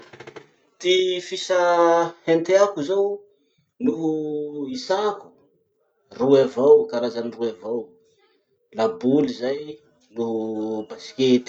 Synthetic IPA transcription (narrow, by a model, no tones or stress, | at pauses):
t̪ifisahent̪eakuzow | nuɦuisaku̥ | ruavawkaɾazaniruavaw | labulizaj | nuɦubasi̥ket̪i̥